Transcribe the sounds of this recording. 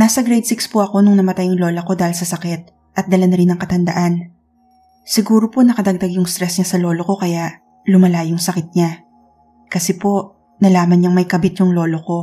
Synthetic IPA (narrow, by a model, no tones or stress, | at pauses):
naːsɐɡɾɛjd̪sɪkspʊʔɐko̞nʊŋnɐmɐt̪ajʊŋlo̞ːlɐko̞d̪aːhɪlsɐsɐkɛt̪̚ | ʔɐt̪̚d̪ɐlɐnɐɾɪnɐŋkɐt̪ɐnd̪ɐʔan | sɪɡuːɾoponɐkɐd̪ɐɡ̚d̪aɡjʊŋst̪ɾɛsɲasɐlo̞ːlo̞ko̞kɐjaʔ | lʊmɐlajʊŋsɐkɪt̪̚ɲa | kɐsɛpo̞ | nɐlaːmɐnɲaŋmɐjkɐbɪt̪̚jʊŋlo̞ːlo̞ko̞